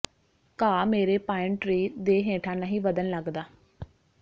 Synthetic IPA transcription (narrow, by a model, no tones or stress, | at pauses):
kaːmeːɾeːpaːɪ̃ɳʈɾiːd̪eːɦẽːʈʰãːnaːɦiːʋəd̪ənləɡd̪aː